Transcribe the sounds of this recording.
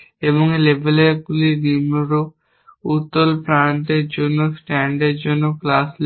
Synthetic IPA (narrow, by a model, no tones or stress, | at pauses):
eboŋelebʱeleɡulinimoɾo | ut̪ːolpɾaɳʈeɾd͡ʑonːosʈɛɳɖeɾd͡ʑonːoklasl